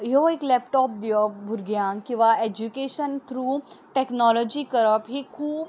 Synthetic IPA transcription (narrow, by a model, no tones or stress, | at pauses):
joeklɛpʈɔːp̚d̪ijobʱuɾɡjãŋkĩʋaed͡ʒukeːʃənt̪ʰɾuːʈeknɔːlɔd͡ʒikəɾəpɦikʰuːb̚